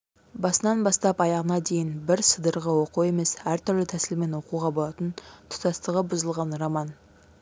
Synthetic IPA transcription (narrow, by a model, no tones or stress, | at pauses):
bɑsənɑnbɑst̪ɑpɑjɑʁənɑd̪e̞jɪnbɪɾsəd̪əɾʁəwo̞que̞me̞sæɾt̪ʰʏɾlɪt̪ʰæsɪlme̞nwo̞quʁɑbo̞lˠɑt̪ənt̪ʰʊ̥t̪ɑst̪əʁəbʊzəlˠʁɑnrɑmɑn